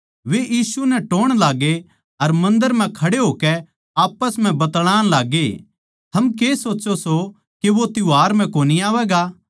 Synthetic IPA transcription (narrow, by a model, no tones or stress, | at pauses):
ʋeʔiːsunɛʈoːɽ̃laːɡe | ɐɾmɐ̃nd̪əɾm̤ɛ̃kʰɐɽeɦoːkɛ | aːpːəsm̤ɛ̃bɐt̪ɽ̃aːɽ̃laːɡe | t̪ʰɐmk̬eːsoːt͡ʃoso | keʋot̪ɪaːɾm̤ɛ̃koːniaːʋɛːɡaː